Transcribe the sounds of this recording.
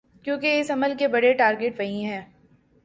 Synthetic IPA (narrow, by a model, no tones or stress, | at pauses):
kjõːkeɪsɐməlkebɐɽeʈaːɾɡeʈʋɐɦĩɦɛː